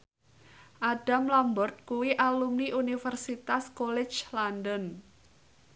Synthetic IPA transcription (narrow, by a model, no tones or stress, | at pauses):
ʔaɖ̥a̤mlambɔrt̪̚kuwiʔalumniʔunifərsit̪askolɛ̥t͡ʃlandən